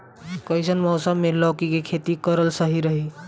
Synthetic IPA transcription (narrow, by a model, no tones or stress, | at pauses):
kəisənmɔʊsəmːelɔkikekʰet̪ikəɾəlsəɦiɾəɦi